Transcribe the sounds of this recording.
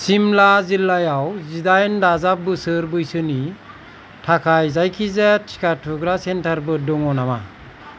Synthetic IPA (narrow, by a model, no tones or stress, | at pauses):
simlazilːajawzidajndazap̚bɯsɯɾbɯjsɯni | tʰakʰajzajkʰizatʰi̥katʰuɡɾasentʰaɾbɯdɔŋɔnama̰